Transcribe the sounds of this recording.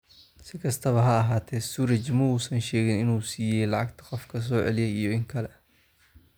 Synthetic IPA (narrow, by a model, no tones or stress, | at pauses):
sɪkʰɐst̪ʰɐβɐɦɐːɦaːt̪ʰɛsuɾɐt͡ʃɪmɔuːsɐnʃɛːɣɪnɪnuːsiːjɛjlɑʕɑɡt̪ʰɐ̥qɔfkʰɐs̬ɔːʕɛ̰lɪjɛjijɔɪŋkʰɐlɛ